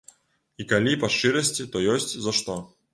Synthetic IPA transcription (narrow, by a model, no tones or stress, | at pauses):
ikɐlʲipɐʂt͡ʂɨɾɐsʲt͡sʲit̪ɔjɔsʲt͡sʲzɐʂt̪ɔ